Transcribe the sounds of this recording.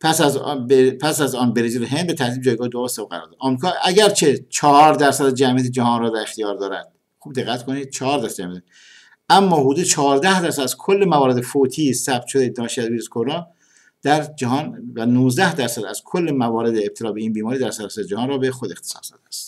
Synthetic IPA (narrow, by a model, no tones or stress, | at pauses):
pʰæsæzbpʰæsæzɒːnbeɾed͡ʒeɾeɦend̪̚bet̪ʰæɾt̪iːb̚d͡ʒɒːjɡɒːhed̪oɾost̪æɣæɾɔ̰ɾd̪ɒ̰d̪ʔɒːmɾikʰɒːʔæɡæɾt͡ʃʰe̞t͡ʃʰɒhɾd̪æɾsæd̪d͡ʒæmijæt̪̬ʰed͡ʒæhɒːnrɒːd̪æɾext̪ijɒːɾd̪ɒːɾæ̰d̪̥̚ | xubd̪eɣːæt̪kʰonid̪t͡ʃʰɒhɒːɾd̪æɾsæd͡ʒæmijæt̪ʰe | ʔæmːɒːɦud̪ud̪et͡ʃʰɒːɾd̪æhd̪æɾsæd̪æzkʰolːemævɒːɾeefot̪ʰiːsæb̚t̪ʃod̪ed̪ɒːnʃiæzbiːɾeskʰoɾɑː | d̪̥æɾd͡ʒæhɒːnvænuːzd̪æhd̪æɾsæd̪æ̰z̥kʰolːemævɒːɾe̞d̪eːb̥̚t̪ʰelɒːbeiːnbiːmɒːɾiːd̪æɾsæd̪sæɾed͡ʒæhɑːnrɒːbexod̪e̞xt̪ʰe̥sɒ̰ːsd̪ɒ̰d̪eæst̪